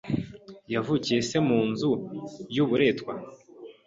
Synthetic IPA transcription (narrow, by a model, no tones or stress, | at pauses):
javucije̞se̞muːnzujuβuɾe̞ːtkwa